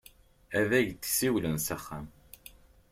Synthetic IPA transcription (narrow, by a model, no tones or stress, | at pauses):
æðæʝt̪ːsiwlənsæχːæm